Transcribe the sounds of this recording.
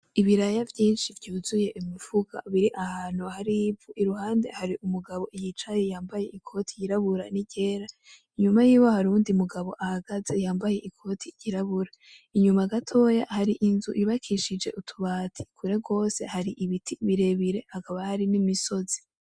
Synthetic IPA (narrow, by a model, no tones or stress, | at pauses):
iβiɾajavjiːnʃivjuːzuje̞ʔimiv̥uɡ̥a̰βiɾiʔahaːn̥huhaɾibɡuʔiɾuhaːnde̞̰haɾiʔumuɡaβo̞ʔijit͡ʃaje̞jaːmbaje̞ʔikʰo̞ːtijiɾaβuɾa̰niɟe̞ːɾa | iɲumajiːwo̞haɾuːndiumuɡaβo̞ʔahaɡaze̞jaːmbaje̞ʔikʰo̞ːtʰijiɾaβuɾa | iɲumaɡatʰo̞ːja̰haɾiʔinzuʔiβakʰiʃid͡ʒe̞̰ʔutʰuβaːtʰi̥kʰuɾe̞ɡo̞ːse̞haɾiʔiβitʰiβiɾe̞βiɾe̞hakaβahaɾinimiso̞zi̥